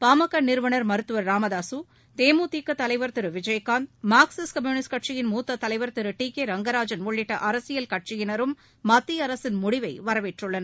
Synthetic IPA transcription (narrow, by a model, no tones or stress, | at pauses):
paːmɐkːɐnɪɾɯʋɐnɐɾmɐɾɯt̪ːɯʋɐɾːaːmɐðaːsu | t̪eːmuːt̪iːkːɐt̪ːɐlɐɪʋɐɾt̪ɪɾɯʋɪd͡ʒɐjkaːnmaːksɐskɐmjuːnɪskɐʈ̚t͡ʃɪjɪnmuːt̪ːɐt̪ːɐlɐɪʋɐɾt̪ɪɾɯʈiːkeɾɐŋɡɐɾaːd͡ʒɐnɔɭːɪʈːɐʔɐɾɐsɪjɐlkɐʈ̚t͡ʃɪjɪnɐɾɯmː | ɐt̪ːiɐɾɐsɪnmʊɽɪʋɐɪʋɐɾɐʋeʈrɯɭːɐnɐ